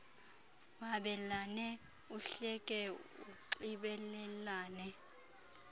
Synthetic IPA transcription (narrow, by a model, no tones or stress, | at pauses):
waɓɛlanɛ | uɬɛkʼɛṵǃiɓɛlɛlaːnɛ